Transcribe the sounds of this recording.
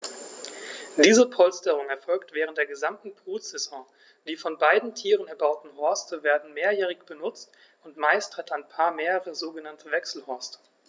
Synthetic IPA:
d̥iːzəpʰɔlstəʁ̞ʊŋɛɐfɔlktv̥ɛːʁ̞əntd̥eːɐɡəzamtn̩pʰuːz̥ɛzɔ̃ː | d̥iːfɔnbaɪdn̩tʰiːʁənɛɐbaʊtn̩ɦɔɐstʰəveːɐdn̩meːɐjɛːʁɪçb̥ənʊt͡st | ʔʊntmaɪsthɛtaɪnpʰaːɐmeːʁəʁəzoːɡənantʰəvɛksl̩hɔɐstə̥

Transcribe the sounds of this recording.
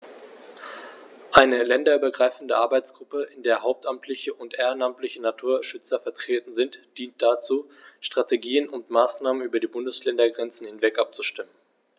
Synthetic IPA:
ʔaɪnəlɛndɐyːbɐɡʁaɪfn̩dəʔaɐbaɪt͡sɡ̥ʁʊpəɪndeːɐɦaʊp̚tʔamtʰlɪçəʔʊntʔeːʁanamtlɪçənatʰuːɐʃʏt͡sɐfɛɐtʁ̥eːtn̩zɪntd̥iːnt̚d̥at͡suːʃtʁ̥ateɡiːənʊntmaːsnaːmənyːbɐdiːbʊndəslɛndɐɡʁɛnt͡sn̩hɪnvɛkʔap̚t͡suʃtɪmən̩

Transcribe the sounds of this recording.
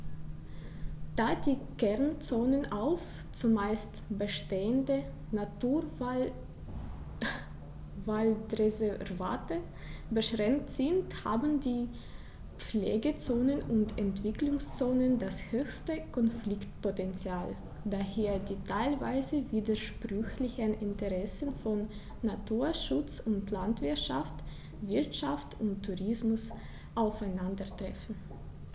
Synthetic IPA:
d̥aːdiːkɛɐnt͡soːnənaʊf | t͡sumaɪstb̥əʃteːəndə | natuː | valdʁezɛva̰ːtə | bəʃʁɛŋk̚tz̥ɪntha̰ːbn̩diː | p͡flḛːɡət͡soːnənʊntʰɛntv̥ɪklʊŋst͡soːnəndashøːçstəkʰɔnflɪktpɔtɛnt͡sjaːl | daheːɐdiːtʰaɪlva̰ɪzəviːdɐʃpʁ̥ʏçlɪçənʔɪntəʁɛsənfɔnː | atʰuːɐʃʊt͡sʊntʰlantv̥ɪɐtʃaft | vɪɐtʃaftʊntʰːuʁɪsmʊs | ʔaʊfaɪnandɐtʁ̥ɛfn̩

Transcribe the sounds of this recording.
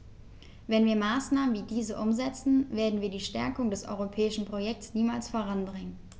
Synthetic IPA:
vɛnviːɐmaːsnaːmənviːdiːzəʔʊmzɛt͡sn̩veːɐdn̩viːɐdiːʃtɛɐkʊŋdəsʔɔ̰ʏʁopʰɛːɪʃn̩pʁ̥ojɛk̚tsniːmaːlsfoːʁanbʁɪŋən

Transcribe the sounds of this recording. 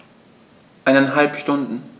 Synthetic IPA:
ʔaɪnɛnɦalpʃtʊndn̩

